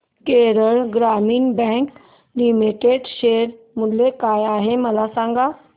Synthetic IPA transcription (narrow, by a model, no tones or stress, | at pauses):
keɾəɭɡɾamiːnbɛ̃ŋk | limiʈeɖɕeɾ | mulːekajaɦeməlasãŋɡa